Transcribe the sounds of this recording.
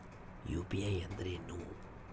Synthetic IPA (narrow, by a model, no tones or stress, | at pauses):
jṵpiajɐnd̪ɾenu